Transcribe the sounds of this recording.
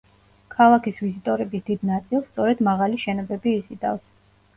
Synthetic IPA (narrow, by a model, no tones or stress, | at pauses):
kʰalˠakʰisvizit̪ʼɔɾɛbisd̪id̪nat̪sʼilˠst̪sʼɔɾɛd̪maʁaliʃɛnɔbɛbiːsid̪a̰fs